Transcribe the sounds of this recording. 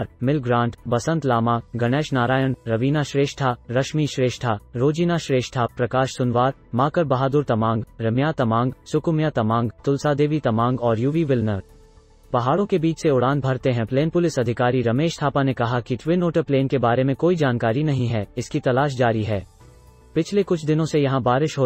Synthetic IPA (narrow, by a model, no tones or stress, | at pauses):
ɾmɪlɡɾãːɳʈbɐsə̃nt̪laːmaɡɐɽ̃ɛːʃnaːɾaːjənɾɐʋiːnaʃɾeːʃʈʰaɾɐʃmiʃɾeːʃʈʰaɾoːd͡ʒiːnaʃɾeːʃʈʰapɾɐkaːʃsʊnʋaːɾmaːkəɾbɐɦaːd̪ʊɾt̪ɐmãːŋɡɾɐmjat̪ɐmãːŋɡsʊkʊmjat̪ɐmãːŋɡt̪ʊlsad̪eːʋit̪ɐmãːŋɡɔːɾjuʋiʋɪlnəɾ | pɐɦaːɽõkebiːt͡ʃʰseʊɽaːn̚bʱɐɾt̪eɦɛ̃pleːnpʊlɪsɐd̪ʱɪkaːɾiɾɐmeːʃt̪ʰaːpanekɐɦakiʈʋɪnoːʈəɾpleːnkebaːɾemẽkoːid͡ʒaːnkaːɾinɐɦĩɦɛːɪskit̪ɐlaːʃ̬d͡ʒaːɾiɦɛː | pɪt͡ʃʰlekʊt͡ʃʰd̪ɪnõsejɐɦãbaːɾɪʃɦo